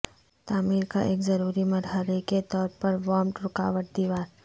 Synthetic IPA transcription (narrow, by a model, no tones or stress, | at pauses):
t̪aːmiːɾkaʔeːkzɐɾuːɾimɐɾɦəɾeket̪ɔːɾpɐɾʋɔ̃ːmʈɾʊka̰ːʋəʈ̚d̪iːʋaːɾ